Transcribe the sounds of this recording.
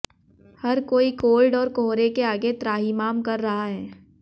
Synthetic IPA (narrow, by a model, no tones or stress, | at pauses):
hɐɾkoːikoːlɖɔːɾkoɦɾekeaːɡet̪ɾaːɦimaːmkɐɾːɐɦaɦɛː